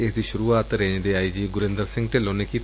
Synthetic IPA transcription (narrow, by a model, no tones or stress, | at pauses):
ɪsd̪iːʃʊɾuːaːt̪ɾẽːnd̪eːaːiːd͡ʒiɡʊɾẽnd̪əɾsɪ̃ŋɡʈeːloːneːki